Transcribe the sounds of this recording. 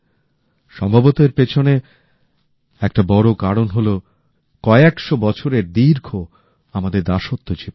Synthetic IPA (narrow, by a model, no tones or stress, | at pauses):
ʃɔmbʱabot̪eɾpet͡ɕʰone | ɛk̚ʈabɔɾokaɾonɦolo | kɔeekʃobɔt͡ɕʰoɾeɾd̪iɾkʰo | amad̪eɾd̪aʃot̪ːod͡ʑi